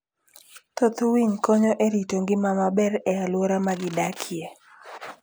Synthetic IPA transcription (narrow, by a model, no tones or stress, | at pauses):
t̪ot̪wiŋkɔɲoʔeɾitoŋɡɪmamabɛrɛalwoɾamaɡɪdakʰije